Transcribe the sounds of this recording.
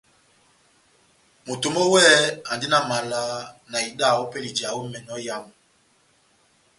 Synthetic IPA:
mo˨to˨mɔ˦wɛ˦a˨ndi˦na˨ma˨la˨˦na˨i˨ɗa˦˨ɔ˦pe˦li˨d͡ʒa˨wu˦mɛ˨nɔ˦ja˦mu˨

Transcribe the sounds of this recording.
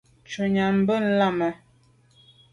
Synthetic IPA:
t͡ʃu˨ɲa˨m̩˦bə˦n̩˦la˦˨mə˨

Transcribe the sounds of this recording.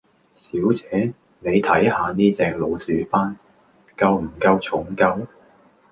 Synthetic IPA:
siː˨˥wt͡sɛː˨˥ | ne˨˧jt̪ʰɐ˨˥jhaː˨˧niː˥t͡sɛː˧k̚lo˨˧wsyː˨˥faː˥n | kɐ˧wm̩˨˩kɐ˧wt͡sʰʊ˨˥ŋkɐ˧w

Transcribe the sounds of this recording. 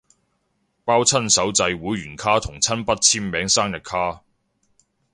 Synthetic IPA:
paː˥wt͡sʰɐ˥nsɐ˨˥wt͡sɐ˧jwuː˨˥jɥyː˨˩nkʰaː˥t̪ʰʊ˨˩ŋt͡sʰɐ˥npɐ˥t̚t͡sʰiː˥mːɛː˨˥ŋsaː˥ŋjɐ˨t̚kʰːaː˥

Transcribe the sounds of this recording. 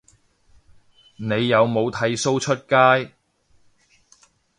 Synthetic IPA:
ne˨˧jːɐ˨˧wmo˨˧wt̪ʰɐ˨˧jso˥wt͡ʃʰɵ˥t̚kaː˥j

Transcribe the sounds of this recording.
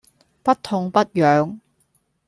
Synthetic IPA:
pɐ˥tt̪ʰːʊ˧˥ŋpɐ˥t̚jœː˨˧ŋ

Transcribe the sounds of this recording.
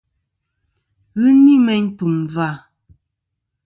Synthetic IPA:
ɣʉ˦ni˦mɛ˦ɲ̩˦tu˨mva˦˨

